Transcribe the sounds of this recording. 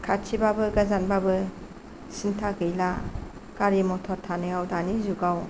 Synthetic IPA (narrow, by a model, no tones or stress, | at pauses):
kʰat͡ʃʰibabɯɡazanbabɯ | sintʰaɡɯjla | kaɾimɔtʰɔɾtʰanɯjawdanizuɡaw